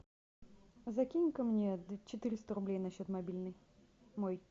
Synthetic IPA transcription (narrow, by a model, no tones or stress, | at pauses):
zɐkʲinʲkəmnʲet͡ɕɪt̪ɨɾʲɪst̪əɾʊblʲejnɐɕːot̪mɐbʲilʲnɨj | moj